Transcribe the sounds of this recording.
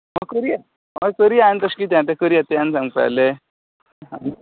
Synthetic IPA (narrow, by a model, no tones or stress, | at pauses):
məkəɾi | məkəɾiant̪əskit̪̬jãt̪ɛkəɾiat̪eãnsãŋɡpa̰le | ɦã